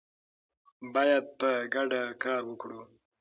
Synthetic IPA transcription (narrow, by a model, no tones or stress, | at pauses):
bɑːjad̪̚paɡaɖakɑːɾwəkɽu